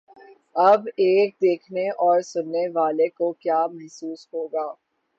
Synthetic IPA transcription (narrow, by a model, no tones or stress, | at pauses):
ɐbeːk̚d̪eːkʰneʔɔːɾsʊnːeʋaːlekokjaːmɐɦsuːsɦoːɡaː